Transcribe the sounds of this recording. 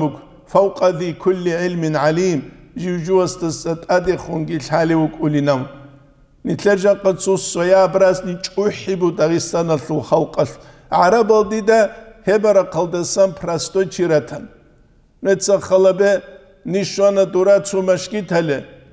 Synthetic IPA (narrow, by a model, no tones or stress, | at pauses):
mɨkʷ | fɐwqʼɐθiːkʰʊlːiʕɪlmɪnʕaliːmʒiwʒʊwɐstʰɨssʼɐtʼadeχʊnɡʲiɬħaliwʊkʷʼʊlinɐm | niɬɐʒɐqʼɐt͡sʰusɐjaːbraznit͡ʃʼʊħibudaʁisɐnɐɬulχɐlqʼɐɬ | ʕaɾɐbɐldidɐhebɐɾɐqʰɐldɐsɐmpʰrastʼojt͡ʃʰiɾɐtʰɐn | nɛt͡sʰɐχɐlɐbɛ | niʃɐnɐduɾat͡sʰumɐʃkʲʼitʰɐlɛ